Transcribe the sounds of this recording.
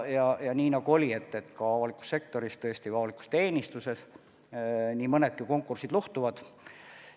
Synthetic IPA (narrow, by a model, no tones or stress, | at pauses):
jɑjɑniːnɑɡ̥uo̞lʲie̞t̪ːe̞t̪kɑɑvɑlikːˑu̥sːe̞k̚t̪o̞ɾist̪ɤesʲt̪ivɑɑliku̥st̪e̞ːnʲist̪use̞s | niːmɤne̞d̪̚kiko̞ŋkːˑursid̪̥luht̪uvɑd̪̥